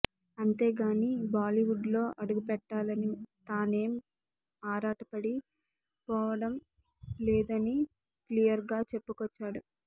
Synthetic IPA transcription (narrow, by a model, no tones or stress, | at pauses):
ɐnt̪e̞ːɡaːnibaːliʋuɖlo̞ːʔɐɽuɡupɛʈːaːlɐnit̪aːne̞ːm | aːɾaːʈɐpɐɽi | pɔːʋɐɽɐm | lɛːd̪ɐni | klijɐɾɡaːt͡ʃe̞pːukɔt͡ʃːaːɽu